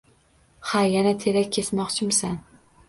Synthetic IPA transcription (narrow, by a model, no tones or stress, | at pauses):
hajanat̪ʰe̞ɾakʲʰːesmɒqt͡ʃʰɪmsan